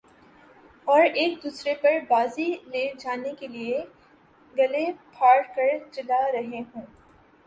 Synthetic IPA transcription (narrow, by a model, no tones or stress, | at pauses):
ɔːɾeːkd̪uːsɾepɐɾbaːzileːd͡ʒaːnekelie | ɡɐlepʰaːɽkɐɾt͡ʃɐlaɾɐɦeɦũː